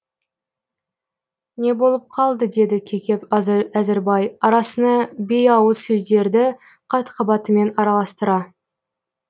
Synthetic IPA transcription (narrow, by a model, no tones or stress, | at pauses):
ne̞bo̞lˠəp̚qʰɑlˠd̪əd̪e̞d̪ɪkʲʰekʲe̞pæzɪɾbɑjɑɾɑsənɑbe̞jɑwəsɵzd̪e̞ɾd̪ɪ | qʰɑt̪qʰɑbɑt̪əme̞nɑɾɑlˠɑst̪əɾɑ